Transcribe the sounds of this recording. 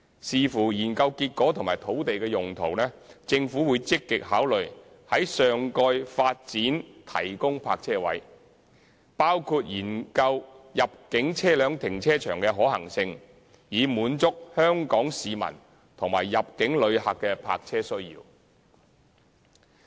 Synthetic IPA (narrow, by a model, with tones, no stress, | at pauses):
siː˨fuː˨˩jiː˨˩nkɐ˧wkiː˧t̚kːɔː˨˥t̪ʰʊ˨ŋmaː˨˩jt̪ʰo˨˥wt̪e˨jkɛː˧jʊ˨ŋt̪ʰo˨˩wnɛː˥t͡sɪ˧ŋfuː˨˥wuː˨˧jt͡sɪ˥kːɪ˨k̚ɦaː˨˥wlɵ˨ɥ | hɐ˨˥jsœː˨ŋkɔː˧jfaː˧t̚t͡siː˨˥nt̪ʰɐ̰˨˩jkʊ˥ŋpʰa̰ː˧k̚t͡sʰɛː˥wɐ̰˨˥j | paː˥wkʰuː˧t̚jiː˨˩nkɐ˧wjɐ˨p̚kɪ˨˥ŋt͡sʰɛː˥lœː˨˧ŋt̪ʰɪ˨˩ŋt͡sʰɛː˥t͡ʃʰœː˨˩ŋkɛː˧ɦɔː˨˥hɐ̰˨˩ŋsɪ˧ŋ | jiː˨˧muː˨˧˥nt͡sʊ˥k̚hœː˥ŋkɔː˨˥ŋsiː˨mɐ̰˨˩n | t̪ʰʊ˨˩ŋma̰ː˨˩jːɐ˨p̚kɪ˨˥ŋlɵ˨˧ɥɦa˨kːɛ˧pʰa̰ː˧k̚t͡sʰɛː˥sɵ˥ɥjḭː˧w